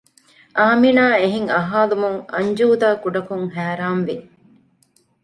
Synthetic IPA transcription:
ʔaːminaːeɦiŋɐɦaːlumuŋɐ̰ɲd͡ʒuːd̪aːkuɖɐkuŋɦæːɾaːnʋi

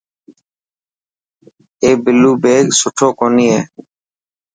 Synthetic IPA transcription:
eːbɪluːbeːɡsʊʈʰoːkoːniːɦḛː

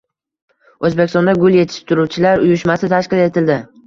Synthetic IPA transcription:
ɵzbekʲɪst̪ɔ̃nd̪aɡʊlˠje̞t̪ʰɪ̥ʃʃt̪ʰʊɾuwt͡ʃʰɪlaɾʊjʊʃmasɪt̪ʰaʃkʲɪle̞t̪ʰɪld̪ɪ

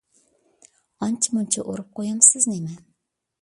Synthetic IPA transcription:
ɑnt͡ʃʰɪmunt͡ʃʰɛʔoɾɨp̚qojɑmsɪznemɪn

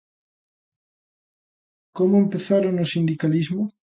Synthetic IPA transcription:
komoempeθaɾonosind̪ikalizmo

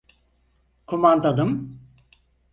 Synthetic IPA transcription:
kʰomand̪ad̪ɯm

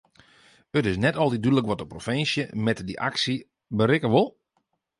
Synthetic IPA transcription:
ətɪsnɛtɔlˠdidydələkʋɔtdəprofɪnsjəmɛtdiʔa̰ksi | bəɾɪkəʋʊlˠ

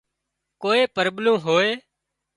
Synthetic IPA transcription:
koːeːpəɾɓlõːɦoːeː

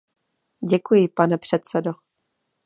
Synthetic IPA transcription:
ɟɛkujɪpanɛpr̝̥ɛt̪t͡sɛdo

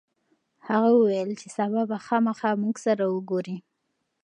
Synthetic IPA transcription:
haɣawəwajəlt͡ʃesabɑbaxɑmaxɑmuɡsaɾawəɡoɾi

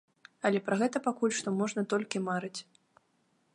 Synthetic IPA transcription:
ɐlʲɛpɾɐɣɛt̪ɐpakulʲʂt̪ɔmɔʐnɐt̪ɔlʲkʲimaɾɨt͡sʲ

